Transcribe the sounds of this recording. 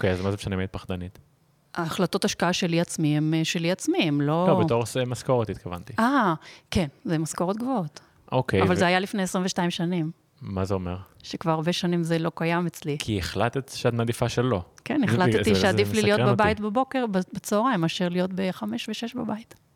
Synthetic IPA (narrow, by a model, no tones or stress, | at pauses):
okejazmazebʃanimait̪̚paχd̪anit̪ | ʔaːχlato̞taʃkaaʃe̞liat͡smiemʃeliat͡smiemlo̞obetoʁsemaskoʁot̪it̪kava̰nt̪iake̞nzemasko̞ʁot̪̚ɡvoot | ʔokeavalzehajalifne̞esʁĩɱveʃtaimʃanim | mazeomeʁʃekvaʁaʁbe̞ʃanimzelo̞kajamet͡slikʰieχlat̪et̪ʃeat̪mad̪ifaʃelːokeneχlattiʃead̪ifflilijotbebait̪bebo̞ke̞ʁbbet͡soʁaemaʃeʁlijo̞tbeχame̞ʃveʃe̞ʃbabait